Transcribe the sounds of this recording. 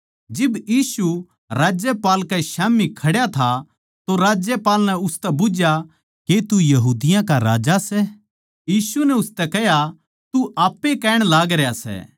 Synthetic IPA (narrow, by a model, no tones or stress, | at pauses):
d͡ʒɪbjiːsu | ɾaːd͡ʒjɛpaːlkɛʃaːmikʰɐɽjat̪ʰa | t̪oɾaːd͡ʒjɛpaːlnɛʊst̪ɛbʊd͡ʒja | ket̪ujɐɦuːd̪ɪjãkaɾaːd͡ʒasɛ | jiːsunɛʊst̪ɛkɛɦja | t̪uʔaːpːekɛːɽ̃laːɡɾjasɛ̰ː